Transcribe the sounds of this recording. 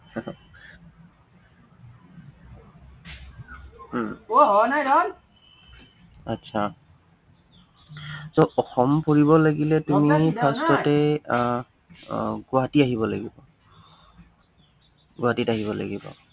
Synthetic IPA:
ɔnajdɔn | atːsʰa | sɔʔɔxɔmpoɹibɔlaɡilɛtumipʰastɔtɛ | ɡʊatiaɦibɔlaɡibɔ | ɡʊatitaɦiβɔla̰ɡibɔ̰

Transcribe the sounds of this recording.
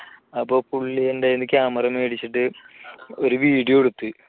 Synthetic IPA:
ɐpːoːpuɭːijendenːɨkʲːaːmɐrɐmeːɽit͡ɕːiʈːɨ | oɾuʋiːɽijoeɽut̪ːɨ

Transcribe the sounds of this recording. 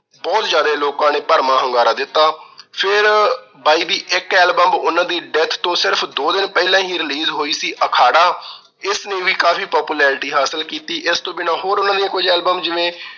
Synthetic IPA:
bɔːt̪zjaːd̪eːloːkãːneːpəɾmãːɦəŋɡaːɾaːd̪ɪt̪ːaːpʰɪɾ | baːiːd̪iːʔɪkɛːlbəmʊnãːd̪iːɖɛːt̪ʰt̪õːsɪɾpʰd̪oːd̪ɪnpɛːlãːɦĩːɾɪliːzɦoːiːsiːʔəkʰaːɽaː | ɪsneːʋiːkaːfiːpɔːpuːlɛːɾɪʈiːɦaːsəlkiːt̪iːʔɪst̪õːbɪnãːɦoːɾʊnãːd̪ijãːkʊd͡ʒɛːlbəmd͡ʒɪʋẽː

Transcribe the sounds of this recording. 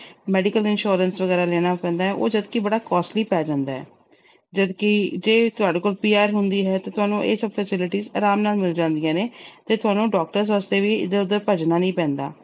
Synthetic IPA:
mɛːɖɪkəlɪnʃoːɾənsʋəɡɛːɾaːlɛːñaːpɛ̃ːnd̪aːɦɛːʔo̰ːd͡ʒəd̪kibəɽaːkɔːsliːpɛːd͡ʒãːnd̪aːɦɛ̰ː | d͡ʒəd̪kɪd͡ʒeːt̪ʊaːɖeːkoːlpiːaːɾɦʊnd̪iːɦɛːt̪eːt̪ʊaːnũːʔeːsəbfʰɛsɪlɪʈiːza̰ːɾaːmnaːlmɪld͡ʒãːnd̪ijãːneːt̪eːt̪ʊaːnõːɖɔːk̚ʈəɾs̬əst̪eːʋiːɪ̰d̪eːʊd̪ːəɾpəd͡ʒnaːnəĩːpɛ̃ːnd̪a̰ː

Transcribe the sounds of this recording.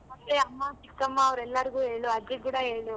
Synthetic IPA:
mɐt̪ːeɐmːat͡ʃikːɐmːaːʋɾɛlːɐɾiɡuːɦe̞ːɭuɐd̪ekuːɽɐɦeːɭu

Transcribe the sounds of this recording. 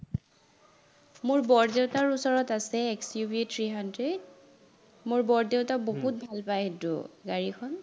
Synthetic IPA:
mʊɹbɔɹdeʊtaɹusɔɹɔtasɛːksiubietʰɹiɦandɹed | mʊɹbɔɹdeʊtabobut̚bʱalpajetʊ̰ɡaɹikʰɔn

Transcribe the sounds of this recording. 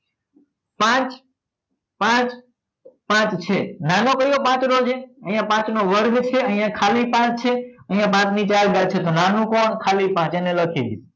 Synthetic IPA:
pãt͡ʃ | pãt͡ʃ | pãt͡ʃt͡ʃʰenanokəɾijopãt͡ʃɾod͡ʒeəɦijãpãt͡ʃnoʋəɾɡt͡ʃʰeəɦijãkʰalipãt͡ʃt͡ʃʰeəɦijãpãt͡ʃnit͡ʃaɾɡaɾt͡ʃʰet̪onanũkoɳkʰalipãt͡ʃeneləkʰid̪i

